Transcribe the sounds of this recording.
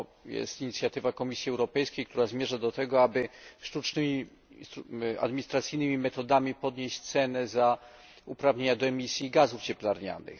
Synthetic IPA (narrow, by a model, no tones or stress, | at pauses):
jɛ̰st̪iɲit̪sʲjat̪ɘvakɔmʲisʲjiɛwɾɔpɛjskʲejk̚t̪uɾazmʲjeʐad̪ɔt̪ɛɡɔabɘʂt̪ut͡ʂnɘmʲi | st̪a̰d̪miɲist̪ɾat̪sɘjnɘmʲimɛt̪ɔd̪amʲipɔd̪ɲeɕt͡ɕt̪sɛnɛza | upɾavɲeɲad̪ɔɛmʲisʲjiɡazuft͡ɕɛplaɾɲa̰nɘ̰x